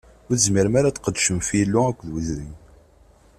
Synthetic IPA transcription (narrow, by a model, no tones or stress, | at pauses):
ʊɾθəzmiɾmaɾat͡s̪ːqəd̪ʃəmfilːʊækʷːðwəzɾin